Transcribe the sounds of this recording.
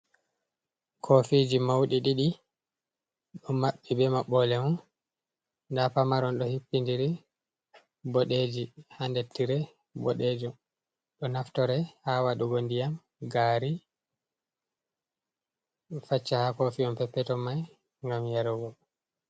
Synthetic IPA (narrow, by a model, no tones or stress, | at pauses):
kʰofid͡ʒimawɗiɗiɗi | ɗɔmaɓːibɛmaɓɔlɛmɔn | dapamaɾɔnɗɔhipːindiɾi | bɔɗed͡ʒihandetːiɾɛ | bɔɗed͡ʒɔn | ɗɔnaftɔɾɛhawaɗuɡondijam | ɡaɾi | fat͡ʃːahakofiɔmpɛpːɛtɔmaj | ŋɡamjaɾɔɡɔ